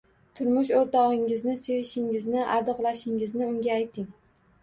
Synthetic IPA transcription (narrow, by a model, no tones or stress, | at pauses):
t̪ʰʊɾmʊʃoɾt̪ʰɒʁɪŋɪznɪse̞vɪʃɪŋɪznɪʔaɾd̪ɨqlˠaʃɪŋɪznɪʊŋɡʲaːjt̪ʰɪŋ